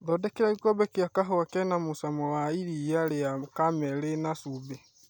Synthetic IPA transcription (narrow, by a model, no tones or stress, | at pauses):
dɔdɛkeɾaɡikɔbɛkiakaɦowakɛnamusamɔwaiɾijaɾeakamɛlenasube